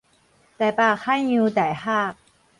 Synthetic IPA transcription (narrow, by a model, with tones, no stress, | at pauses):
t̪a˨˩pa˥˩xʰa˥nju˧˦t̪a˨˩jha˥˩˨